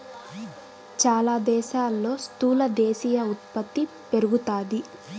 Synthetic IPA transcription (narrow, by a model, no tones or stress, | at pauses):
t͡ʃaːlaːd̪ɛːʃaːlːo̞ːst̪uːlɐd̪ɛːʃiːjɐut̪̚pɐt̪ːi | pe̞ɾuɡut̪aːd̪i